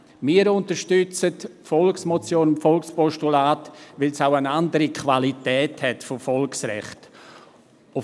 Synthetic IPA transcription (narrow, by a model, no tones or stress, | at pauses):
miːəɾʊntəɾʃtʏt͡sətfɔlksmɔt͡sjoːnʊmfɔlkspɔʃtulaːtʋɪlsaʊənandəɾikʰvalitɛːthɛtfofɔlksrɛ̰χt | ʊ